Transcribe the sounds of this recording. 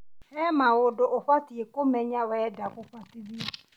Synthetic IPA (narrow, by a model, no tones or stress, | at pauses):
hɛmawʊdʊʔʊɸatiekʊmɛɲawɛdakʊɸatɪbi